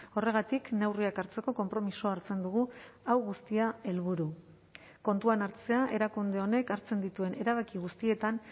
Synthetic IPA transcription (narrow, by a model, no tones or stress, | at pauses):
o̞re̞ɣ̞at̪ikne̞wriakaɾt͡se̞ko̞ko̞mpɾo̞misoaɾt͡se̞nd̪uɣ̞uawɣust̪iae̞lβ̞uɾu | ko̞nt̪uanaɾt͡se̞aʔe̞ɾakund̪e̞o̞ne̞kaɾt͡se̞nd̪it̪ue̞nʔe̞ɾaβ̞akiɣust̪ie̞t̪an